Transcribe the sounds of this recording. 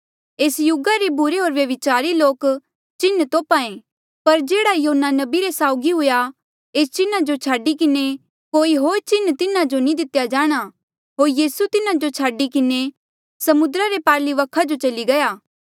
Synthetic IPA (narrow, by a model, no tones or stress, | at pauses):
eːsjʊɡaɾebʊɾeɦoːɾʋjɐʋɪt͡ʃaːɾiloːk | t͡ʃɪnːt̪oːpaẽ | pɐɾd͡ʒeːɽajoɦnːanɐbiɾesaːʊɡiɦʊja | eːst͡ʃɪnad͡ʒot͡ʃʰaːɖikɪne | koːiɦoːɾt͡ʃɪnt̪ɪnad͡ʒonĩd̪ɪt̪jad͡ʒaːɽ̃a | ɦoːɾjiːsut̪ɪnad͡ʒot͡ʃʰaːɖikɪne | sɐmʊd̪ɾaɾepaːliʋɐkʰad͡ʒot͡ʃɐliɡɐjaː